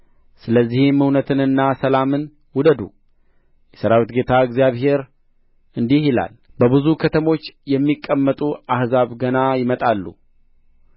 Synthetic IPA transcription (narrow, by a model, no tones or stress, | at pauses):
sɨləzːihɪmhɨwnət̪ʰɨnɨnːasəlamɨn | wʊd̪əd̪ṵ | jɛsəɾawit̪ɡe̞t̪ʰaɨɡzijaβhe̞ɾ | ɨnd̪ihjɪla̰lbəβɨzukʰət̪ʰəmo̞t͡ʃːjɛmːikʼːəmːət̪ʼuahzaβɡənajɪmət̪ʼalːṵ